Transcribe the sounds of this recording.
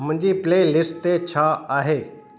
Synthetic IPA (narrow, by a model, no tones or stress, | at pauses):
mʊ̃ɲd͡ʑipleːlɪsʈ̚t̪et͡ɕʰaaːɦeː